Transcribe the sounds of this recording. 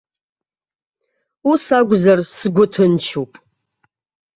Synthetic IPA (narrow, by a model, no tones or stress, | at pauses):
usaːɡʷzɐrsɨɡʷʊtʰɨnt͡ʃʰuwpʼ